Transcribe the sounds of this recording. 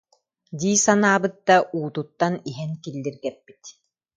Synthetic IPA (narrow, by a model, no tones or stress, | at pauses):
d̪iːsanaːbɯt̪̚ːaʔuːt̪ut̪ːaniɦɛnkilːiɾɡɛpːi̥t̪